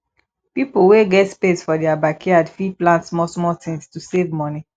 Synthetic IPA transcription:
pipoweɡɛtspesfɔdɛabakʰeadfiplãntsmɔsmɔtĩŋstusevmɔni

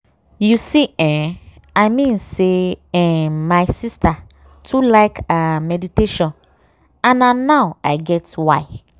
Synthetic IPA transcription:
jusiɛ̃ | aɪmĩnseɛ̃maɪsista | tʰulaɪkamɛditeʃɔ̃n | ãnãnaʊaɪɡɛtwaɪ

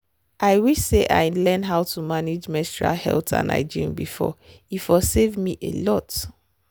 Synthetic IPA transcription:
ʔaɪwiseʔa̰ɪlɛ̃nɦaʊtʰumaned͡ʒmɛstɹa̰lhɛ̰ltʰã̰na̰ɪd͡ʒĩmbifɔ̰ | ifɔsevmiʔḛlɔt

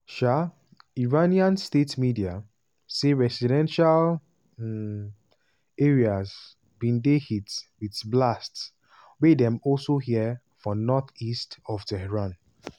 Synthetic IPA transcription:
ʃa | iɹaniãnstetmidia | seɹɛsidɛ̃nʃal | ɛ | eɹiaz | bĩndehitwiθblasts | wedɛ̃mɔlsohiə | fɔ̃nɔθistɔftɛhɛɹãn

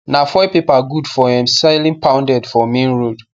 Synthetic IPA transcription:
nafɔjpepaɡudfɔɛ̃msalĩnpʰãʊ̃ndɛdfɔmĩnɹud

